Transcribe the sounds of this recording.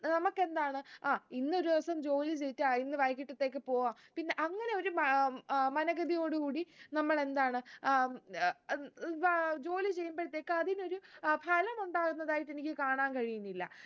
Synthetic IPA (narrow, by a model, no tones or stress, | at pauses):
nɐmɐkːe̞nd̪aːɳɨaːinːo̞ɾuɐsɐmd͡ʑo̞ːlɨt͡ɕejitːainːɨʋɐjkːiʈːɐt̪ːe̞ːk̬ːɨpo̞ːʋaːmpinːe̞ʔɐŋːɐne̞oɾum | mɐnɐɣɐd̪ijo̞ːɽɨkuːɽinɐmːɐɭe̞nd̪aːɳɨ | d͡ʑo̞ːlɨt͡ɕe̞jːumbɐɻɐt̪ːe̞ːkːɨɐðino̞ɾubʰʱaːlɐmuɳɖaːɣunːɐðaːjiʈːenikʲːɨkaːɳaːnkɐɻijunːilːɐ̰